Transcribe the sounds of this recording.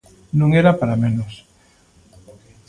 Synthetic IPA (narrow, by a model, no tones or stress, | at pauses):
nũŋeɾapaɾamẽnos